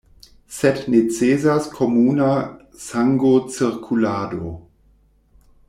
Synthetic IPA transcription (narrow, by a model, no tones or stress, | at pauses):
sɛtnet͡seːzaskʰomuːna | saŋɡot͡siɾkʰulaːdo